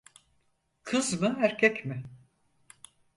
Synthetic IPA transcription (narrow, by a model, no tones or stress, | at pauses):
kʰɯzmɯɦæɾcʲʰɛcmɪ